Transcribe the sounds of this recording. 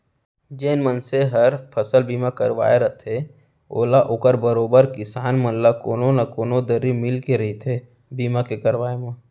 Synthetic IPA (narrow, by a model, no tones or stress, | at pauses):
d͡ʒeːnmənseɦɐɾpʰəsəlbiːmakəɾʋa̰ːeɾɐt̪ʰe | o̰ːlaʔoːkəɾbəɾoːbəɾkɪsaːnmənlakoːnonakoːnod̪əɾːimɪlkeɾɐɦit̪ʰe | biːmakekɐɾʋaːemã